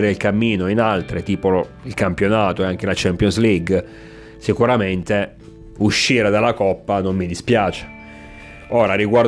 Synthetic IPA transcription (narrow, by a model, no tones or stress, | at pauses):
ɾeilkamːiːnoinalt̪ɾet̪iːpoo | ilkampjonaːt̪oeaŋk̟elat͡ʃɛmpjonsliɡ | sikuɾament̪e | uʃːiːɾad̪alːakɔpːanomːid̪ispjaːt͡ʃe̥ | oːɾaɾiɡwar